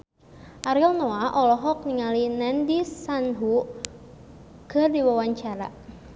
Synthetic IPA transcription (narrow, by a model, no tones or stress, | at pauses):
ʔaɾilnɔaʔɔlɔɦɔk̚niŋalinɛndisanɦu | kɨrdiwawaɲt͡ʃaɾa̰